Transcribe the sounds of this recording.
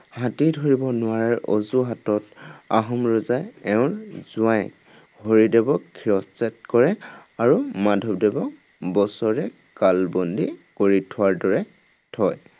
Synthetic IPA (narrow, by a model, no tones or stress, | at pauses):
hãtidʱoɹibɔnʊwaɹaɹɔ̰zuɦatɔtaɦɔmɹɔzajɛʊ̃ɹz̥ʊaj | hoɹidebɔkʰːiɹɔssɛtkɔɹɛaɹumadʱɔb̚debɔk | bɔsɔɹɛ | kalbɔndikoɹitʰʊaɹdɔɹɛ | tʰɔj